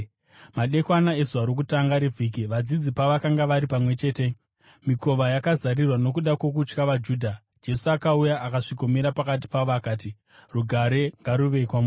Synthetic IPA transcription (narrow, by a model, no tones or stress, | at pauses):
maɗe̞kwanae̞zuaɾok̬utaŋɡaɾevʱiːk̬iʋad͡zid͡zipaʋakaŋɡaʋaɾipamwe̞t͡ʃe̞ːte̞ | miko̞ʋajakazaɾirwano̞kuɗako̞k̬ut͡ʃkaʋad͡ʒuːdʱa | d͡ʒe̞suakaujaakaʂikomiɾapakat̬i̥paʋoakaːti | ruɡʱaɾe̞ŋɡaɾuʋe̞ikwamu